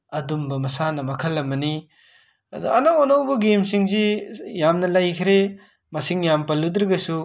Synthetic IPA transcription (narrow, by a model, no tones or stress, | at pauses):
ɐdumbɐmɐsanɐmɐkʰɐlːɐmɐni | ɐ̰d̪ṵɐnawonɐwbɐɡemsiŋzijamnɐlajkʰɾe | mɐsiŋjampɐlːud̪ɾɐɡɐsu